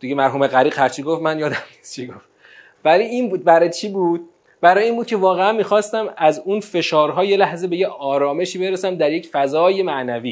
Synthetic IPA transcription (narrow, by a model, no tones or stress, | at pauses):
d̪̥iɡemæɾɦuːmeɣæɾiːɡhæɾt͡ʃʰiɡo̞fmænjɒːd̪æmnist̪t͡ʃʰiɡoft̪ | væliːinbuːd̪̚bæɾɒjt͡ʃʰiːbuːd̪̥̚ | bæɾɒːjeiːnbuːd̪̚cʰevɒːɣeænmiːxɒːst̪æmæzunfe̞ʃɒːɾɦɒːje̞læhze̞be̞jeɒːɾɒːme̞ʃiːbeɾesæmd̪æɾjecfæzɒːje̞mæʔnæviː